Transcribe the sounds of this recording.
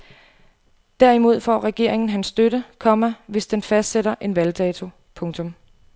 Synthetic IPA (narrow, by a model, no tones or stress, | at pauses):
d̥æɐimo̝ð̞̰ˠfɒ̰ːʁɛɡ̥e̝̰ɐ̰e̝ŋn̩ɦænsːd̥øɾəkʰɒ̽mæʋe̝sd̥enfæsd̥seɾɐʔe̝nʋæld̥ɛːt͡sʰo̝ | pʰɔ̽ŋt͡sʰɔ̽m